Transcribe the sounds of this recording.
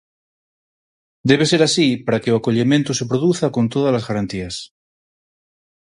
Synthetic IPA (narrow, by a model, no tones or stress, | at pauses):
d̪eβ̞eseɾasipaɾakeoakoʎemẽnt̪osepɾoðuθakont̪oð̞alazɣaɾant̪ias